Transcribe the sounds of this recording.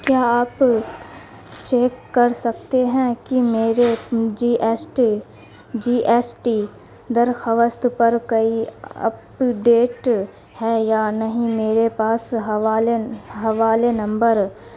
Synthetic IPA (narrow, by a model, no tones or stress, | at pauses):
kjaːaːp | t͡ʃeːkːɐɾsɐk̚t̪eɦɛ̃kimeːɾed͡ʒiːʔsʈ | d͡ʒiːʔɛːsʈi | d̪ɐɾxəʋəst̪pɐɾkɐiɐ̰p | ɖeːʈ | hɛjaːnɐɦĩmeːɾepaːsɦaːlɦɐʋaːlenɐ̃mbəɾ